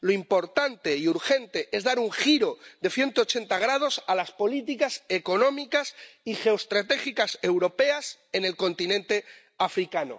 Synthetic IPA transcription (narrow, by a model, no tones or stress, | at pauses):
loimpo̞ɾt̪ant̪e̞iuɾxe̞nt̪e̞ʔe̞zðaɾuŋxiɾo̞ðe̞θje̞nt̪oot͡ʃe̞nt̪aɣ̞ɾað̞o̞salaspo̞lit̪̬ikase̞ko̞nõ̞mikasixe̞ost̪ɾat̪e̞xikase̞wɾo̞pe̞ase̞ne̞lko̞nt̪inẽnt̪e̞ | afɾikano̰